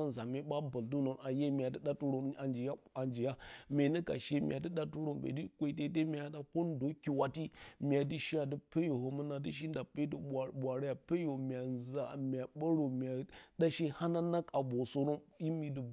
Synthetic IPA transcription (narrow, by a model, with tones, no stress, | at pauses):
a˦n˨za˨me˦ɓa˦ba˨ldu˦no˨na˨je˦mʲ˨a˨də˦ɗa˦tu˦ɾo˨a˨nd͡ʒi˨ja˦a˨nd͡ʒi˨ja˦me˨nə˦ka̰˨ʃe˦m̰ʲ˨a̰˨di˦ɗa˦tu˦ɾo˨mbḛ˨di˦kʷe˦i˦t̬e˦t̬e˦mʲi˨ja˦da˨ko˦n˦do˦ki˨wa˦ti˦mʲ˨a˨di˦ʃi˦ja˨di˦pe˦jo˨ho˨mə˦na˨di˦ʃ̬i˦n˦da˨pe˦də˦˨ɓʷa˨ɾa˦ja˨pe˦jo˨mʲ˨a˨za˨mʲ˨a˨ɓa˦ɾo˨m˨a˨da˦ʃe˦ha˦na˦na˦ka˨bo˨so˦ɾo˦mji˦mi˨di˨